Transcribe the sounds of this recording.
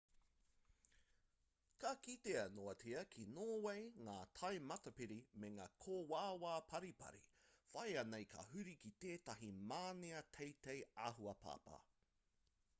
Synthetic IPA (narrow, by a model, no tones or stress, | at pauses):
kakit̪eɐnoɐt͡siɐkʰinoːwejŋaːtʰɐjmɐtɐpiɾimeŋa̰ːkʰoːwaːwaːpʰɐɾipɐ̰ɾḭfɐjɐnejkʰɐ̰hʉɾikit̪eːtɐɦimaːniɐtʰejtejaːɦuɐpʰa̰ːpɐ̰